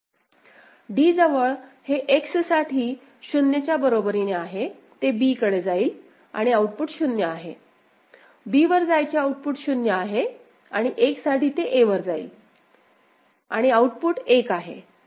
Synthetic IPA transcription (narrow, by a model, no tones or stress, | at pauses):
ɖiːd͡zəʋəɭheʔeksəsaʈʰiː | ɕunjət͡ɕjabəɾobəɾineaɦe | t̪ebiːkəɽed͡zaiːl | a̰ɽ̃iauʈ̚puːʈɕunjəaɦe | biːʋəɾd͡zajt͡ɕjaauʈ̚puʈɕunjəaɦe | aɽ̃iʔeksaʈiːt̪eʔeʋəɾd͡zaḭːl | aɽ̃iauʈpuːʈekaɦḛ